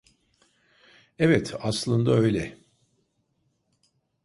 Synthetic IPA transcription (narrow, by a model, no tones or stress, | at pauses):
evɛt̪aslˠɯnd̪aø̞jlʲɛ